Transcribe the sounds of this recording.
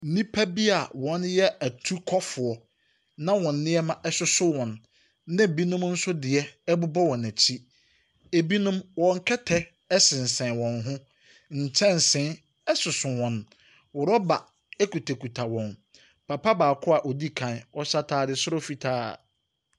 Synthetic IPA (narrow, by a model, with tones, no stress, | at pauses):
n̩˨nĩ˦pʰæ˦bi˦a˨wɔ̃˨˦njɛ˦æ˨tʰu˦kʰɔ˦fʊ˨ɔ˨ | nã˦wɔ̃˨nː˦ɪ̃˦ɛ˦mã˨ʔɛ˦ɕʊ˦sʊ˦wɔ̃˨nː | ã˦˨bi˦nʊ̃˦mn̩˦sʊ˦dɪ˨ɛ˦ɛ˦bʊ˦bɔ˦wɔ̃˨næ˨t͡ɕʰi˦ | e˨bi˦nʊ̃˦mwɔ̃˨ŋ̩˦kʰɛ˦tʰɛ˦ | ɛ˦sɪ̃˨n̩˨sɛ̃˨nwɔ̃˨nɦʊ̃˦ | n̩˨t͡ɕʰɛ̃˦n˨sɪ̃˦n | ɛ˦sʊ˨sʊ˨wɔ̃˨n | wɔ˨ɾɔ˦ba˨ | ɛ˦kʰu˨tʰæ˨kʰu˨tʰa˨wɔ̃˨n | pʰa˨pʰa˦baː˨kʰʊ˦a˨ʔɔ˨di˦kʰã˨nɔ˦ɕa˦tʰaː˦dɪ˦sʊ˦ɾɔ˦fi˨tʰa̰ː˦˨